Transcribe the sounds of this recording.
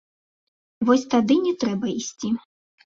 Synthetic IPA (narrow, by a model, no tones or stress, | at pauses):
vɔsʲt̪ad̪ɨnʲɛt̪ɾɛbɐisʲt͡sʲi